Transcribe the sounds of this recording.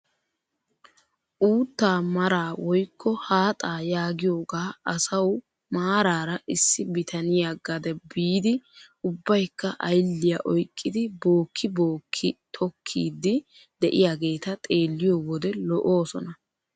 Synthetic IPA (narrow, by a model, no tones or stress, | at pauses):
ʔuːt̪ːaːmɐɾaːwɔjkːɔhaːt̪ʼaːjaːɡɪjo̞ːɡaːɐsɐw | maːɾaːɾɐʔɪsːɪbɪt̪ʰɐnɪjaɡɐd̪ɛbiːd̪ɪ | ʊbːɐjkːɐʔɐjlːɪjaʔɔjkʼːɪd̪ɪbo̞ːkʰːɪbo̞ːkʰːɪt̪ʰɔkʰːḭːd̪ːɪ | d̪ɛʔɪjaɡe̞ːt̪ɐt̪ʼe̞ːlːɪjoːwɔd̪ɛlɔʔo̞ːsɔ̰nɐ